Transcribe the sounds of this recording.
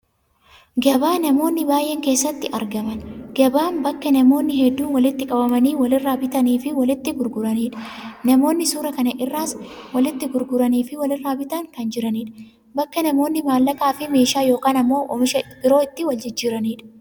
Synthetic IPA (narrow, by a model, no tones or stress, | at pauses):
ɡɐbaːnɐmo̞ːnːɪbaːjʔɛŋke̞ːsːɐt̪ːɪʔɐɾɡɐmɐnɡ̥ɐbaːnbɐkːɐnɐmo̞ːnːɪhɛd̪ːuːnwɐlɪt̪ːɪkʼɐbɐmɐniːwɐlɪrːaːbɪt̪ɐniːfɪwɐlɪt̪ːɪɡʊɾɡʊɾɐniːᶑɐ̥nɐmo̞ːnːɪsuːɾɐkɐnɐʔɪrːaːswɐlɪt̪ːɪɡʊɾɡʊɾɐniːfɪwɐlɪrːaːbɪt̪ɐŋkɐnd͡ʒɪɾɐniːᶑɐ̥ | bɐkːɐnɐmo̞ːnːɪmaːlːɐkaːfɪme̞ːʃaːjo̞ːkaːnɐmːo̞ːʔɔ̰mɪʃɐbɪɾo̞ːɪt̪ːɪwɐld͡ʒɪd͡ʒːiːɾɐniːᶑɐ̥